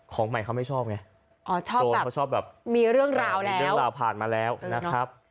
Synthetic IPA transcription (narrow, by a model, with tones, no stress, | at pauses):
kʰɔː˩˦ŋma˨˩jkʰa˦˥wma˥˩jt͡ɕʰɔː˥˩p̚ŋa˦˥ | ʔɔː˧˩t͡ɕʰɔː˥˩oː˧bːkːa˥wt͡ɕʰɔː˥˩p̚bɛː˨˩p̚miː˧ɾɯ˥˩əŋɾaː˧wlɛː˦ɾɯ˥˩˦ə˥wɾaː˧wpʰaː˨˩nmaː˧lɛː˦˥wna˦˥kʰɾa˦˥p̚